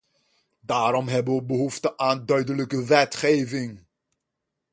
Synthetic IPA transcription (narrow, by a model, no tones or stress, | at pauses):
daːɾɔmɦɛbənʋəbəɦuftəʔaːndœɥdələkəʋɛtχejvɪŋ